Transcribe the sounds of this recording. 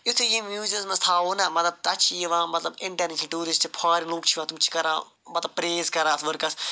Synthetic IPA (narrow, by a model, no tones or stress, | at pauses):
jʊt̪ʰejĩmjuːzizmɐ̃st̪ʰaːoːnɐmɐt̪lɐb̚t̪ɐt͡ʃʰijeʋãːmɐt̪lɐbɪ̃ɳʈɐɾneːt͡ʃʰəlʈuːɾɪsʈt͡ʃʰipʰaːɾiluk̚t͡ʃʰiʋãːt̪umt͡ʃʰi̥kɐɾãː | mɐt̪lɐb̚pːɾeːzkɐɾãːt̪ʰʋɐɾkɐs